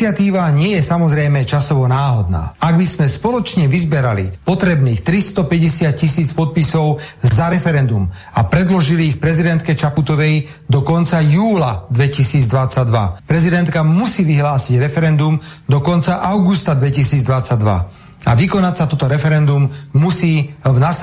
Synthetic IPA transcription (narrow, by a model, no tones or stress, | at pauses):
ɪat̪iːʋaɲɪɛjɛsamɔzɾɛjmɛt͡ʃasɔʋɔnaːɦɔd̪̚na̰ːaɡbismɛspɔlɔt͡ʃɲɛʋizbɛɾalḭpɔt̪ɾɛbniːxt̪ɾist̪ɔpɛɟɛsɪat̪̚cisiːt͡spɔt̪̚pisɔʊzaɾɛfɛɾɛnd̪um | apɾɛd̪lɔʒiliːxpɾɛzid̪ɛnt̪kɛt͡ʃaput̪ɔʋɛj | d̪ɔkɔnt͡sajuːlad̪ʋɛcisiːd͡zd̪ʋat͡saɟd̪ʋa̰pɾɛzid̪ɛnt̪kamusiːʋiɦlaːsiɟɾɛfɛɾɛnd̪umd̪ɔkɔnt͡saʔaʊɡust̪ad̪ʋɛcisiːd͡zd̪ʋat͡sad̪ʋa̰ | a̰ʋikɔnacsat̪ɔt̪ɔɾɛfɛɾɛnd̪umːusiːnas